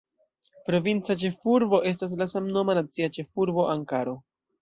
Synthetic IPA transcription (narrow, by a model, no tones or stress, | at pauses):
pɾo̞vint͡sat͡ʃe̞fuɾbo̞ʔe̞stas̬lasamno̞manat͡siat͡ʃe̞fuɾbo̞ʔaŋkaɾo̞